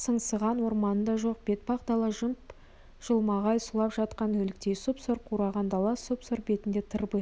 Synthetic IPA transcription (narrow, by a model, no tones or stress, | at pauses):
səɴsəʁɑnwo̞ɾmɑnənd̪ɑʒo̞q̚b̥e̞t̪̚bɑqd̪ɑlˠɑʒəmp | ʒ̥əlˠmɑʁɑjsʊlˠɑpʒɑt̪qɑnwɵlɪk̚t̪e̞jsopsoɾqʰuɾɑʁɑnd̪ɑlˠɑsopsoɾbe̞t̪ɪnd̪e̞t̪ʰəɾbə